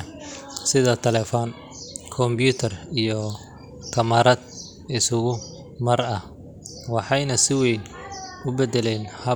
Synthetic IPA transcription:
sɪðɐt̪ʰɛlɛfɔːn | kʰɔmbjuːt̪ʰɐrijɔ | kʰɐmɐɾɐd̪̚ | ɪsʊɣʊ | mɐrɐh | wɑħɑjnɐsɪwejn | ʊbɛd̪ɛlɛːnhɐ

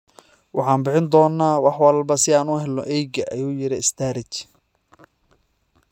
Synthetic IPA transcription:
wɑħɑːnbɪħɪnd̪ɔːnːaːwɑħwɐlbɐsɪaːnʊɦɛlːɔʔɛjɡɐʔɐjuːjɪɾɪɪst̪ʰaːɾɪt͡ʃ

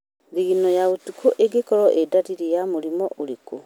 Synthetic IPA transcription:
ðiɣinɔjaotukʰoʔeɡekɔɾɔʔedaɾiɾejamoɾimɔʔoɾeko

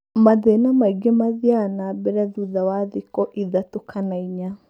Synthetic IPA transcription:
maðenamaiɡemaðianabɛɾaðuðawaðikɔʔiðatokʰanaiɲa

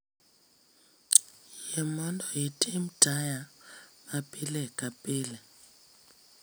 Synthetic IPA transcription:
jɛmɔntʰʼɔetʼem̩d̥ʱajamapʼilɛkʼapʼiːlɛ

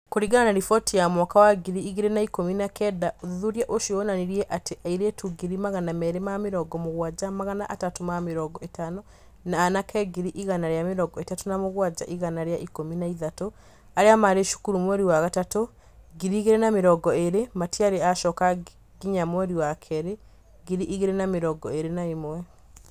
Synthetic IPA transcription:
koɾiɣananaɾifɔtijamwɔkawaɡiɾiːɣeɾenaikominakɛdaoðuɾiaʔoʃioonaneɾiɛʔateʔaiɾetuɡiɾimaɣanamɛɾemameɾɔɡɔmoɣwad͡ʒamaɣanaʔatatomameɾɔːɡɔetanɔ | naːnakʰɛɡiɾiʔiɣanaɾjameɾɔɡɔetatonamoɣwad͡ʒa̰ʔiɣanaɾeaʔikominaiðato | aɾeamaɾeʃu̥kuɾumwɛɾiwaɣatato | ɡiɾiːɣeɾenameɾɔɡɔeɾematiaɾeaʃɔka | ɡiɲamwɛɾiwakʰɛɾe | ɡiɾiʔiɣeɾenameɾɔɡɔeɾenaemwɛ

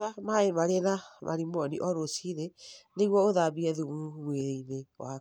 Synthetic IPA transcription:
amaemaɾenama̰ɾimɔniʔɔɾosiɾeneɣwɔoðabiɛðumumweɾeinewa

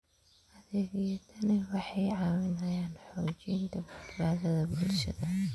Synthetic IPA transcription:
hɐðeːɣɛjɐt̪ʰɐnɪwɑħɑjʕɑwɪnɐjaːnħɔːt͡ʃind̪ɐbɐd̪baːðɐðɐbʊlʃɐ̰ðɐ

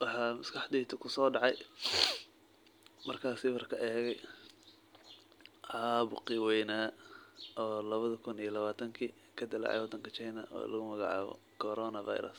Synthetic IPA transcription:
wɑħɑːmɐskʰɑħd̪iːt̪ʰʊkʰʊsɔːɖɑʕɑj | mɐrkʰaːsɪwɐrkʰɐʔɛːɣɛj | ʕɑːβʊqɪwɛjna | ʔɔːlɐβɐðɐkʰʊnijɔlɐβaːt̪ʰɐŋkʰiː | kʰɐd̪ɐlɑ̰ʕɛ̰jwɔd̪ɐŋkʰɐt͡ʃajnɐʔɔ̰ːlɐɣʊmɐɣɑʕɑ̰ːβɔ̰ | kʰɔɾɔnɐva̰jɾɐ̰s

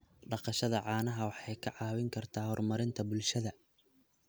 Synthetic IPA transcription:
ɖɑqɑʃɐðɐʕɑːnɐɦɐwɑħɑjkʰɐʕɑːwɪŋkʰɐrt̪ʰaːhɔrmɐɾɪnt̪ʰɐbʊlʃɐðɐ

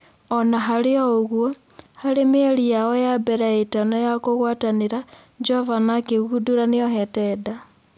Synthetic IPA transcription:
ɔnaɦaɾeoːɣwo | haɾemeɾijaojabeɾaetanojakoɣwaːtaneɾa | d͡ʒovanakeɣuduɾaneoɦɛtɛda

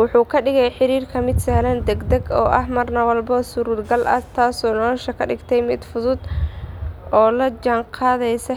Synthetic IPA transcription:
wʊħuːkʰɐɖɪɣɛjħɪɾiːrkʰɐmɪd̪sɐhlɐnd̪ɛɡd̪ɛɡɔ̰ːʔɐhmɐrnɐwɐlbɐsʊɾʊlɡɐlʔɐ̰t̪ʰaːsɔːnɔlɔʃɐkʰɐɖɪɡt̪ʰɛjmɪd̪fʊðʊd̪ | ʔɔːlɐd͡ʒɐŋqʰɑːðɛjsɐ

